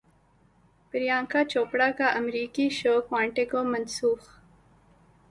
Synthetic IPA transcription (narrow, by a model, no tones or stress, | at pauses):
pɪɾijãːŋkat͡ʃoːpɽakaʔɐmɾiːkiʃoːkwãːɳʈekomɐnsuːx